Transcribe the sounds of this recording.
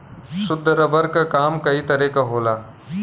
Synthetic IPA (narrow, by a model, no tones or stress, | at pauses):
sʊd̪ʱəɾəbəɾkakaːmkəiːt̪əɾeːkaɦoːlaː